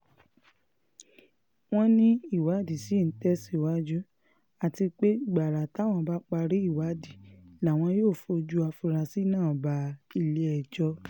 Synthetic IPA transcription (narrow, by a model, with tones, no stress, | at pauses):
w̃ɔ̃˦nĩ˦i˦˨wa˨˦di˨si˨˦˨tɛ˦si˦˨wa˦d͡ʒu˦ | a˨ti˧k͡pe˦ɡ͡ba˨ɾa˨ta˨˦˨w̃ɔ̃˧ba˦k͡pa˧ɾi˦i˦˨wa˨˦di˦˨la˨w̃ɔ̃˧joː˦˨fo˧d͡ʒu˦a˧fi˧ɾa˧si˦˨nãː˦˨ba˨˦i˧le˧˦ɛ˨d͡ʒɔ˧˦